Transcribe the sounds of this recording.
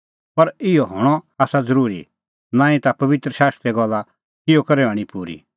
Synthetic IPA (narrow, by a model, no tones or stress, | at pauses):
pɐɾɪɔɦoːɽ̃ɔaːsad͡zɐɾuːɾḭ | nãːĩt̪apɐʋɪt̪ɾəʃaːst̪ɾɛɡɔlːa | kɪjɔkɐɾɛãːɽ̃ĩpuːɾḭ